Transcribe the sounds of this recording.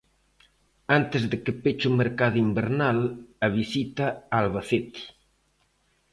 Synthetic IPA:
ant̪ezðekepet͡ʃumeɾkaðuimbeɾnalɐβisit̪aalβaθet̪i̥

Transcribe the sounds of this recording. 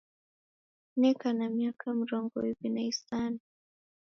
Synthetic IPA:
nɛkanamiakʰam̩ɾɔŋɡɔ̰wivinaisani

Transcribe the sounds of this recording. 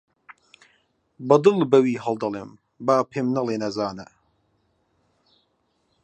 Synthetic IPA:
bɐd̪ɨlbɐwiːɦɐlˠd̪ɐlˠeːm | baːpʰeːmnɐleːnɐzaːnɐ̰

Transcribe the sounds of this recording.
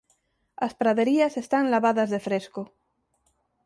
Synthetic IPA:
aspɾaðeɾiasest̪aŋlaβaðazðefɾesko

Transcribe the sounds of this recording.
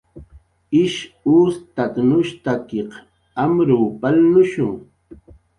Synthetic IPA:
ɪʃuːst̪at̪nʊʃt̪akeq | amɾuːpalnʊʃʊŋ

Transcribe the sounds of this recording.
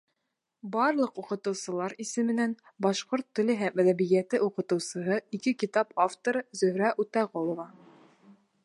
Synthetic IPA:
bɑɾlˠɤquqɤ̆t̪ɤ̆wsɤ̆lˠɑɾisɘ̆mɘ̆næn | bɑʃqoɾt̪ːɵ̆lɘɦæmæðæβijæt̪ɘʔuqɤ̆t̪ɤ̆wsɤ̆ɦɤikɘkit̪ɑpaft̪oɾɤzɵ̆hɾæʔut̪æʁolˠŏvɑ

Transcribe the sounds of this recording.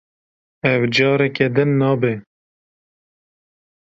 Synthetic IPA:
ɛvd͡ʒɑːɾɛkɛd̪ɨnːɑːbe

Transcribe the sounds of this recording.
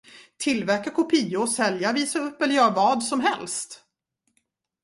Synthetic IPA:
t̪ʰɪlvæɾkakʊpʰiːʊɔsɛljaviːsaɵpːɛləɾjœːɾavɑːd̪sɔmɦɛlst̪

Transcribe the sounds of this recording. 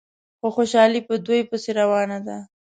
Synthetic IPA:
xoxoʃɑlipəd̪ojpəseɾawɑnad̪a

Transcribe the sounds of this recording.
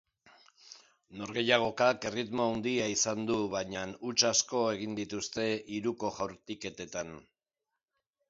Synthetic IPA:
no̞ɾɣe̞jaɣ̞o̞kake̞rit̪moand̪iaisand̪uβaɲanut͡ʃasko̞e̞ɣind̪it̪ust̪e̞ʔiɾuko̞ʝawɾt̪ike̞t̪e̞t̪an

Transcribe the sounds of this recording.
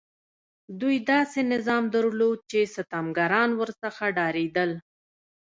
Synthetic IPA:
d̪ujd̪ɑsenɪzɑmd̪əɾlod̪̚t͡ʃesət̪ɑmɡaɾɑnwəɾsəxaɖɑɾed̪əl

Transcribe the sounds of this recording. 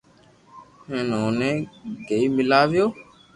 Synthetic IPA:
heːnõːnẽːɡeiːmɪlaːʋɪjoː

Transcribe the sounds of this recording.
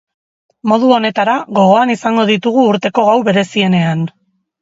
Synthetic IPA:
mo̞ð̞uo̞ne̞t̪aɾaɣo̞ɣo̞anisaŋɡo̞ð̞it̪uɣ̞uːɾt̪e̞ko̞ɣawβe̞ɾe̞sie̞ne̞an

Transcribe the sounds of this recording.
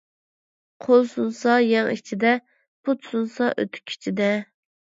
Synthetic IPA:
qʰolˠsunsɑjɛŋit͡ʃʰid̪ɛ | pʰut̪sunsɑʔø̰t̪ʰy̥kʲʰi̥t͡ʃʰid̪ɛ

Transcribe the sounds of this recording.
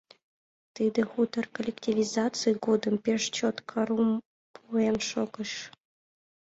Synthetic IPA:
t̪ɨd̪ɨ̆xut̪ɤrkolʲektʲivʲizat͡sɨjɡod̪əmpʲeʂt͡ɕot̪kʰɑɾum | puenʃokɤ̆ʂ

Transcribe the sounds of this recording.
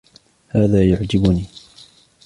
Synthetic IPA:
haːðaːjʊʕd͡ʒɪbʊniː

